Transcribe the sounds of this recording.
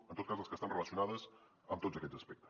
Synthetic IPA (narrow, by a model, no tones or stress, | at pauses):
ənt̪ot̪̚kazəlˠskəst̪anrələsiunaðəz | əmt̪od͡zəkɛd͡zəspɛk̚t̪ə̥